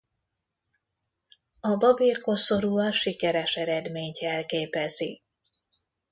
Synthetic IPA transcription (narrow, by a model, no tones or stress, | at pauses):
ɒbɒbiːrkoso̞ɾuːɒʃikɛɾɛʃɛɾɛd̪meːɲtɛlkeːpɛzi